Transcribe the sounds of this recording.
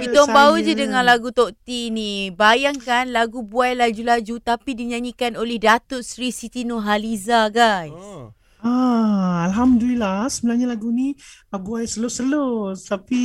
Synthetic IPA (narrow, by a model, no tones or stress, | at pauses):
kit̪ɔŋbaud͡ʒədəŋãnlaɡut̪oʔt̪inibajaŋkanlaɡubuajlad͡ʒulad͡ʒut̪apidiɲaɲikanolɛhdat̪ʊt̪̚sɾisit̪inoɦalizaɡajs | aalɦamdulilasəbəlahɲalaɡunibuajsəlʊsəlost̪api